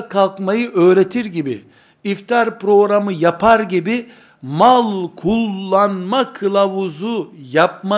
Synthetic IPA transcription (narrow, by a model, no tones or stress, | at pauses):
kʰalˠkmajɯʔø̞ːɾet̪ʰiɾɟibḭ | ift̪ʰaɾpɾo̞ɡɾamɯjapʰaɾɟibi | malˠkʰulˠːanmakʰɯlˠavuzujap̚ma